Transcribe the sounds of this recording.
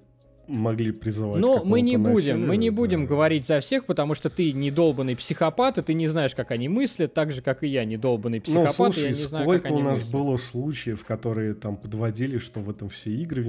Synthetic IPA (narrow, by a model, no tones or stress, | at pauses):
mɐɡlʲipɾʲɪzɨvanomɨnʲɪbudʲɪmːɨnʲɪbudʲɪmɡəvɐɾʲitʲzɐfsʲe̞xpət̪ɐmuʂt̪ot̪ɨnʲɪd̪o̞lˠbənɨjpsʲɪxɐpat̪ɨt̪ɨnʲɪznaɪʂkakɐnʲimɨsʲlʲət̪ːaɡʐɨkakɨjanʲɪd̪o̞lˠbənɨjpsʲnɪuxɐslatuʂjanʲɪznajolʲkəʊnasbɨlˠəslˠut͡ɕɪjəfkɐt̪o̞ɾɨjət̪ampəd̪vɐdʲilʲɪʂt̪ovɛt̪əmfsʲeiɡɾəvʲɪ